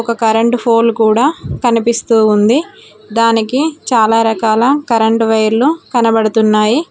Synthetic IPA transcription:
ɔkɐkɐɾɐɳʈpʰoːlkuːɽaːkɐnipist̪uːund̪i | d̪aːnikit͡ʃaːlaːɾɐkaːlɐkɐɾɐɳʈʋɐjɐɾlukɐnɐbɐɽɐt̪unːaːji

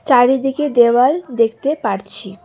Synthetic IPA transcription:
t͡ɕaɾid̪iked̪ewald̪ekʰt̪epaɾt͡ɕʰi

